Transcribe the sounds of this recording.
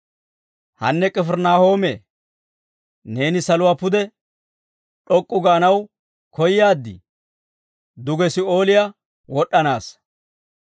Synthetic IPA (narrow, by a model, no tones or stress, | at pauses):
hɐnːɛkʼɛfɛɾnaːho̞ːmeː | ne̞ːnɪsɐlʊwaːpʊd̪ɛ | ɗɔkʼːʊɡaːnɐw | kɔjɪjaːd̪ːɪ̰ | d̪ʊɡɛsɪo̞ːlɪja | wɔɗːɐnaːs